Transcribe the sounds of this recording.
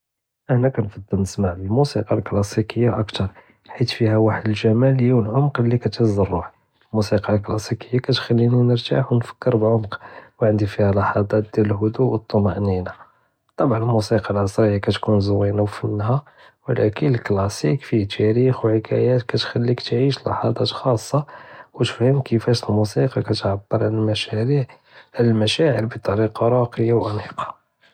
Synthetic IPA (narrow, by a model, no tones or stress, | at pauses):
ʔəhnækænfɑd̪ˤːəlnəsmaʕbəlmusiqɑlklɑsikəjːaʔəkt̪ɑɾˤ | ħit̪fihæwaħəd̪əlʒæmæljuwəlʕʊmqlːikæt̪əzːəɾˤːuħ | lmusiqɑlklɑsikəjːakæt̪xælːininəɾt̪a̰ħwnfə̥kːəɾbʕomqwʕənd̪ifihælɑħɑd̪ˤɑt̪̚d̪jæləlɦʊd̪uʔwət̪ˤːomɑʔnina | t̪ˤɑbʕɑnəlmusiqɑlʕɑsˤɾəjːakæt̪kunzəwinawfənhæ | wlʔæ̰kənəlklɑsikfit̪ʰæɾixwʕəkʰæ̰jæt̪kæt̪xælːikt̪ʕiʃlʔɑ̰ħɑd̪ˤɑt̪xɑsˤːɑwt̪fhəmkʰəfæʃəlmusiqɑkæt̪ʕabːəɾˤʕlælmæʃæɾiʕ | ʕlælmæʃæʕəɾbit̪ˤːɑɾiqɑɾˤɑqəjawʔæniqɑ̥